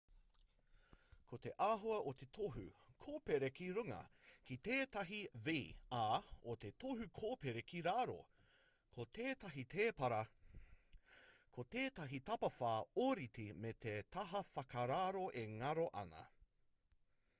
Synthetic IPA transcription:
kʰot̪e̞ʔaːɦoɐʔot̪e̞t̪ʰoɦʉ̰kʰoːpeɾekiɾʉŋɐ̰kit̪eːt̪ɐɦiviaːot̪et̪ʰoɦʉkʰoːpeɾekʰiɾaːɾo̰ | kʰot̪eːt̪ɐɦit̪ʰeːpɐɾɐ | kʰot̪eːt̪ɐɦit̪ɐpɐfaːoɾitimet̪ʰet̪ʰɐɦɐfɐkɐɾaːɾo̞ʔeŋɐɾoʔɐ̰nɐ̰

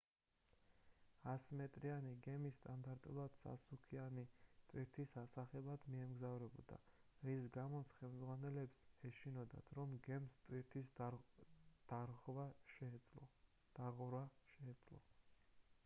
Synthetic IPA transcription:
asmɛt̪ʼɾianiɡɛmist̪ʼand̪aɾt̪ʼṵlˠad̪̥sa̰sukʰianit̪ʼwiɾt̪ʰisasaχɛbad̪miɛmɡzavɾɛbɔ̰d̪a̰ɾisɡamɔt̪sʰχɛlˠmd̪zʁwanɛlɛpsɛʃinɔd̪a̰t̪ʰɾɔmɡɛmst̪ʼiɾt̪ʰi | d̪̥aɾvaʃ | d̪̥aʁɾaʃɛːdt̪sʼlɔ̰

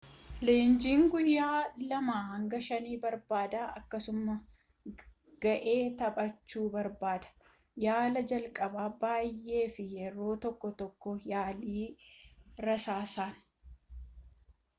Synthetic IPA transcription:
le̞ːnd͡ʒiːŋɡʊjːaːlɐmaːhɐŋɡɐʃɐniːbɐɾbaːd̪aːʔɐkːɐsʊmɐ | ɡ̥ɐʔe̞ːt̪ɐpʼɐt͡ʃːuːbɐɾbaːd̪ɐ̥ | jaːlɐd͡ʒɐlkʼɐbaːbaːjʔe̞ːfɪjɛɾo̞ːt̪ɔkːɔt̪ɔkːɔjaːliː | ɾɐsaːsaːn

